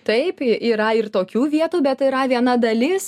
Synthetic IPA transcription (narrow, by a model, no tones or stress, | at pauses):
t̪ɐɪpiːɾɐɪrt̪oːkʲuːʋʲiɛt̪uːbʲɛt̪ɪɾɐʋʲiɛnɐd̪ɐlʲɪs